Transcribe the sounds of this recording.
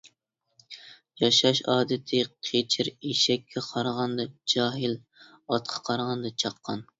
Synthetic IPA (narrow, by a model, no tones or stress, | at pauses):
jɑʃɑʃɑːd̪ɨt̪ʰɪqʰet͡ʃʰɪɾeʃɛkʲʰːɛqʰɑɾʁɑnd̪ɑd͡ʒɑːɦɪl | ɑt̪̚qʰɑ̥qʰɑɾʁɑnd̪ɑt͡ʃʰɑqːɑn